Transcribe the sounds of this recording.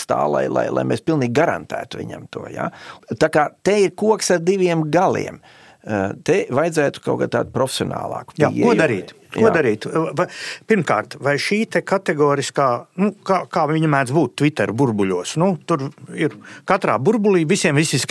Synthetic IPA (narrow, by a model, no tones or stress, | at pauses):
st̪a̰ːlˠa̰jlˠa̰jlˠa̰jmʔḛspilˠniːɡɡaɾa̰nt̪æ̰ːt̪ʊʋḭɲa̰mt̪uɔja̰t̪aːkaːt̪eiɾkuɔksaɾd̪iʋʲiɛmɡalˠḭɛm | t̪eʋajdzæːt̪ʊ̥kawkad̪̚t̪a̰ːd̪̚pɾɔfe̥sʲiɔna̰ːlˠɑ̰ːkja̰ːuɔd̪aɾḭːt̪ | kuɔdaɾiːt̪apʲiɾmka̰ːɾt̪vajʃiːt̪ɛkat̪ɛɡɔːɾiskaːnukaːkaːvʲiɲmæːd̪zbuːt̪t̪ːvʲit̪ɛɾbuɾbuʎʲuɔsnut̪uɾiɾkat̪ɾaːbuɾbuliːʋisiɛmvisisk